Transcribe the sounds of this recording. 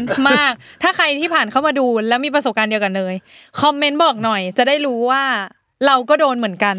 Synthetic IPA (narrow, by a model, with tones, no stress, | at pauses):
maː˥˩k̚t̪ʰaː˥˩kʰa˧jt̪ʰiː˥˩pʰaː˨˩nkʰa˥˩wmaː˧duː˧lɛ˦˥wmiː˧p̬ɾa˧so˨˩p̚kaː˧ndi˧əwka˧nlɤː˧j | kʰɔ˧mːe˦˥nbɔː˨˩k̚nɔ˨˩jt͡ɕa˨˩daː˥˩jɾuː˦˥waː˥˩ | ɾa˧wkɔː˥˩doː˧nmɯ˩˦ənka˧n